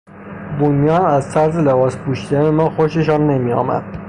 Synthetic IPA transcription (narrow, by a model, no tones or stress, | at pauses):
bunijɒːnæzt̪ʰæɾzelebɒːspʰuːʃiːd̪ænemɒːxoʃeʃɒːnːemiːɒ̰ːmæ̰d̪̥